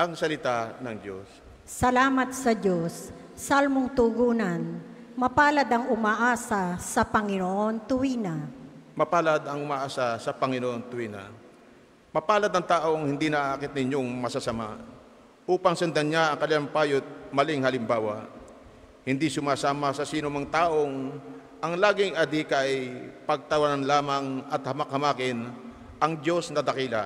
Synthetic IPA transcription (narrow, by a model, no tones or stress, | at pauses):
ʔɐŋsɐlɪt̪anɐŋd͡ʒo̞s | sɐlaːmɐt̪̚sɐd͡ʒos | salmoŋt̪ʊɡuːnɐn | mɐpaːlɐd̪ɐŋʊmaːʔaːsɐsɐpɐŋɪnoʔo̞nt̪ʊwinɐmɐpaːlad̪ɐŋʊmaːʔaːsasɐpɐŋɪnoʔo̞nt̪ʊwiːnɐ̰ | mɐpaːlɐd̪nɐŋt̪aːʔo̞ŋhɪnd̪inɐʔaːkɪt̪̚nɪɲoŋmɐsasɐma | ʔuːpɐŋsɐnd̪ɐnɲaʔɐŋkɐlɪlampaːjot̪̚mɐlɪŋhɐlɪmbaːwa | hɪnd̪isʊmaːsaːmɐsɐsiːnʊmɐŋt̪aːʔo̞ŋ | ʔɐŋlaːɡɪŋʔɐd̪ikaɐjpɐɡ̚t̪ɐwananlaːmɐŋɐt̪̚hɐmɐkhɐmaːkɪn | ʔɐŋd͡ʒo̞snɐd̪ɐkiːlɐ